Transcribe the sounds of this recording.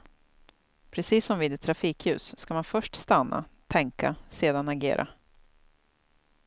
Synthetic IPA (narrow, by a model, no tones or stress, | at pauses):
pʰɾɛsiːsːɔmviːd̪ɛt̪ʰːɾafiːkhʉ̟ːsːkamanfœʂʈst̪anːa̰t̪ʰɛŋkaseːd̪anaɡḛːɾʔa̰